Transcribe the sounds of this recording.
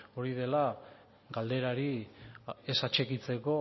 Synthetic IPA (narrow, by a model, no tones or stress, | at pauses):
o̞ɾiðe̞la | ɡald̪e̞ɾaɾi | esat͡ʃe̞kit͡se̞ko̞